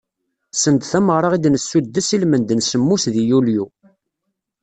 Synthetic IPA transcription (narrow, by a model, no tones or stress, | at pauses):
sənd̪θæməʁɾˤɑʁid̪nəsːud̪ːəsilmənd̪nsəmːusðijulju